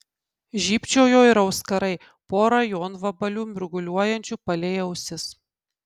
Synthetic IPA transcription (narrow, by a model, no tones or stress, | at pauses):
ʒʲiːpʲt͡ʃʲɛʊjoːɪɾɐʊskɐɾɐɪ | poːɾɐjoːnʋɐbɐlʲuːmʲʊɾɡʊlʲuɔjɛnʲt͡ʃʲuːpɐlʲɛɪɛʊsʲɪs